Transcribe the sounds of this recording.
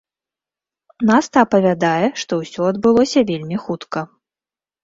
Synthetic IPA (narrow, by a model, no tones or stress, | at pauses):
nast̪ɐːpɐvʲad̪ajɛʂt̪ɔwsʲɔɐd̪bɨlˠɔsʲɐvʲelʲmʲixut̪kɐ